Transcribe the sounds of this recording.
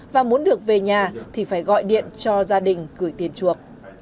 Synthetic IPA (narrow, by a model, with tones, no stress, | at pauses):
vaː˨˩mu˨˦ənɗɨ˨˩ək̚ve˨˩ɲaː˨˩t̪ʰi˨˩faː˧˩jɣɔ̰˧˨jɗḭ˧˨ənt͡ɕɔ˧zaː˧ɗï˨˩ŋ̟kɨ˧˩əjt̪i˧˩ənt͡ɕu˨˩ək̚